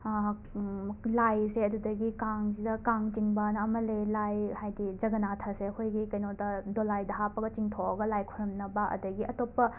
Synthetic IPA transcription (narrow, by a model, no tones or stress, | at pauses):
lajseɐdudɐɡikaŋsidɐkaŋt͡ʃiŋbanɐɐmɐlelajhajdid͡ʒɐɡɐnatʰɐsekʰojɡikɐjnotɐdolajdɐɦapːɐɡɐt͡ʃiŋtʰoɐɡɐlajkʰuɾɐmnɐbaʔɐ̰dɐɡiʔɐtopːɐ